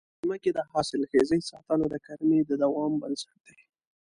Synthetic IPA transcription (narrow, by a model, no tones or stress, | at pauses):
zməked̪ɑhɑsɪlxezəjsɑt̪ɑnod̪əkaɾmed̪əd̪awɑmbansaʈ̚d̪̥ej